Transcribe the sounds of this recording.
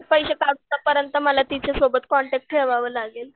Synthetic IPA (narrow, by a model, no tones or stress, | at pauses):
pəjɕekaɡt̪apəɾjənt̪əməlat̪it͡sesobət̪kɔɳʈæk̚ʈʰeʋaʋəːlaɡel